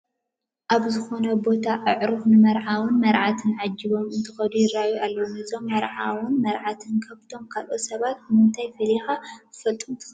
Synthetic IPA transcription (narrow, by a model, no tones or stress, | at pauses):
ʔaβzɨxo̞nɐbo̞t̪ʰaʔɨʕɾɨfnɨmɐɾʕawunmɐɾʕat̪ʰɨnʕad͡ʒːɨβo̞mɨnt̪ʰɨxɐd̪ujɪɾajualːɐwumɨzo̞mːɐɾʕawunmɐɾʕat̪ʰɨnkʰɐβt̪ʰo̞mkʰalʔo̞sɐβat̪̚mɨnt̪ʰajfɐlixaɨfɐlt̪ʼumt̪ʰɨ̥